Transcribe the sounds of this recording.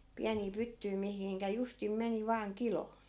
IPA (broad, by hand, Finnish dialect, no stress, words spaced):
piæniː pytːyi mihiŋkæ justim meni ʋɑːŋ kilo